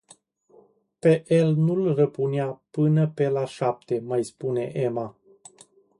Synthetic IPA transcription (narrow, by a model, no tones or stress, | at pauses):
pe̞ʔelnulrəpuneapɨnəpe̞laʃap̚t̪e̞majspune̞ʔe̞ma